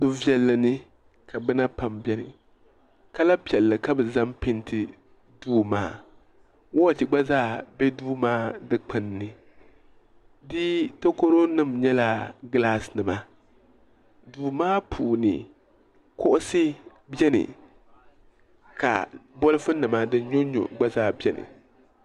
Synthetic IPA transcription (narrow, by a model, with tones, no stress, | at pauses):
dʊ˦vɛ˦lːɨ˨nɨ˦ | ka˨bɛ˦na˦pa˨mbɛ˦nɨ̰˨ | ka˦la˦pi˨ɛ˨lːɨ˨ka˦bɛ˨za˦mpɪ˦ntʰɪ˦ | duː˦ma̰ː˦ | wɔ˦˨ti˨ɡ͡ba˦zaː˦˨bɛ˦duː˦maː˦dɨ˦k͡pɨ˨nːɨ˨ | dɪ˦to˦ko˦ɾo˦nɨ˦˨mɲɛ˦la˨ɡɨ˨˦laː˦snɨ˨ma˦ | duː˨maː˦pʰuː˨nɨ̰˨ | kʊ˦ʔʊ˦sɨ˦ | bjɛ˦nɨ̰˨ | ka̰˨bɔ˦lɨ˦fɨ˦nɨ˨ma˦dɨ˦ɲo˦ɲo̰˨ɡ͡ba˦zaː˦˨bʲɛ˦nɨ̰˨